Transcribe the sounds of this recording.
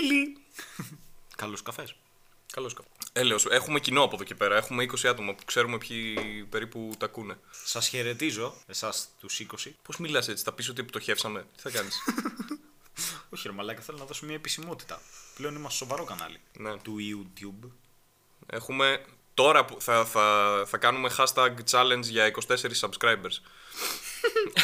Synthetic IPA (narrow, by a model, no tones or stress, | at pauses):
li | kɐloskɐfes | kɐloskɐeleose̞xume̞cino̞ɐpoðo̞cepe̞ɾɐe̞xumeiko̞siɐt̪o̞mɐpu̥kse̞ɾume̞pçipe̞ɾiput̪ɐkune̞sɐsçe̞ɾe̞t̪izo̞e̞sɐst̪usiko̞sipo̞zmilɐse̞t͡si̥θɐpis̬o̞t̪iept̪o̞çe̞fsɐme̞t̪i̥θɐkɐnis | oçiɾomɐlɐkɐθelonɐðo̞somɲɐepisimo̞t̪i̥t̪ɐpleonimɐsso̞vɐɾo̞kɐnɐ̰linet̪uiut̪jub | e̞̰xume̞ | t̪o̞ɾɐpuθɐθɐθɐkɐnumexɐst̪ɐɡt͡sɐlend͡zʝɐiko̞st̪e̞se̞ɾisːɐbskɾɐjbeɾs